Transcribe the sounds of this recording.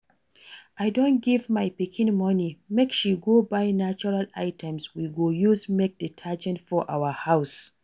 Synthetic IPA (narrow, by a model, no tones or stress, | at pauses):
ʔajdõnt̚ɡivmajpikʰĩnmɔnimekʃiɡobajnat͡ʃuɹala̰jtʰɛ̃mswiɡojusmek̚dətʰad͡ʒɛ̃ntfɔʔawəhaws